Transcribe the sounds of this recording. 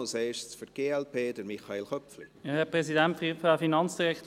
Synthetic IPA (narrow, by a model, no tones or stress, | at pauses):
oseʃsfəɾɡ̥eːɛlpʰeːdəmiχɑeːlχœpfliɛhɛpʁɛsidɛntfifɛfinɑnt͡sd̥iʁɛkt̪